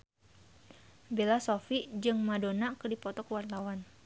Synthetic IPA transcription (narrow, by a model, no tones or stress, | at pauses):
belasofid͡ʒɨŋmadonakɨdipɔt̪ɔkəwart̪awan